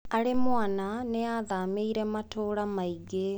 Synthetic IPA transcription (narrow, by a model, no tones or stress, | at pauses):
aɾemwananeaðameiɾɛmatoːɾamaiɡe